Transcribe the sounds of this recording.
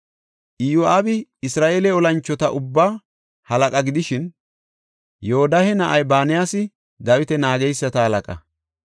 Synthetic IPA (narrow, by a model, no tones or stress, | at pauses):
ʔɪjoʔaːbɪɪsɾaːʔeːlɛɔlɐnt͡ʃːɔt̪ɐʔʊbːaː | hɐlɐkʼɐɡɪd̪ɪʃɪn | joːd̪ɐhɛnɐʔɐjbaːnɪjaːsɪ | d̪ɐwɪt̪ɛnaːɡɛjsːɐt̪ɐhɐlɐkʼɐ̰